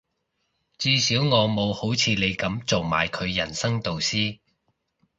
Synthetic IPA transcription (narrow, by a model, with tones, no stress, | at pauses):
t͡siː˧siː˨˥wŋɔː˨˧mo˨˧who˨˥wt͡sʰiː˨˧le˨˧jkɐ˨˥mt͡so˨wma̰ː˨˩jkʰɵ˨˧ɥːɐ˨˩nsɐ˥ŋt̪o˨wsiː˥